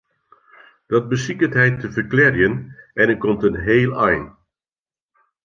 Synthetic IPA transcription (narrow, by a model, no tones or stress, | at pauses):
d̥ɑt̚bəsikəntɦɛjtəvərklɛrjənʔɛnət̚kɔmtənɦeːlˠɛjn